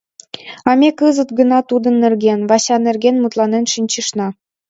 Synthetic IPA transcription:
ɑmʲekɯzə̆t̪ɡə̆nɑt̪ud̪ə̆nːĕrɡʲenβɑɕɑnerɡʲenmut̪lˠɑnenʃinʲt͡ɕə̆ʃnɑ

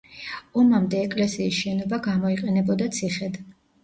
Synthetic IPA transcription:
ɔmamd̪ɛːkʼlɛsiːsʃɛnɔbaɡamɔiqʼɛnɛbɔd̪at̪sʰiχɛd̪

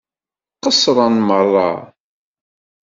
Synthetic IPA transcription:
qəsɾˤɑnmərˤːɑ̰

